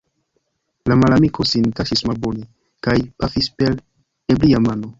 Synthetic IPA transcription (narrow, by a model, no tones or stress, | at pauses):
lamalamikʰo̞sinkaʃismalbo̞ni | kajpafispel | ebliamano̞